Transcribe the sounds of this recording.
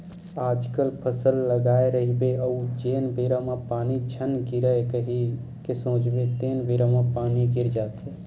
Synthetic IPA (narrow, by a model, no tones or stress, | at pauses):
aːd͡ʒkəlpʰəsəlːəɡaːeɾəɦibeəud͡ʒeːnbeɾamapaːnit͡ʃʰənɡiɾəekəɦi | kesõːt͡ʃbet̪eːnbeɾəmapaːniɡɪɾd͡ʒaːt̪e